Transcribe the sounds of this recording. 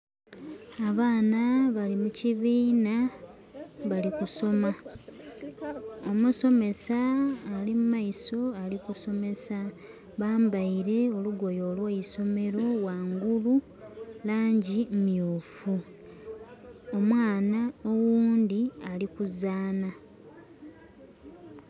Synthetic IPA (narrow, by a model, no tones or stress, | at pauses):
aβaːnaβalimuciβiːna | βalikuso̞ma | omuso̞me̞saːlimumaiso̞alikuso̞me̞sa | βaːmbaiɾe̞o̞luɡo̞jo̞ːlwaiso̞me̞ɾo̞waːŋɡulu | laːɲɟimjuːfu | omwaːnao̞wuːndialikuzaːna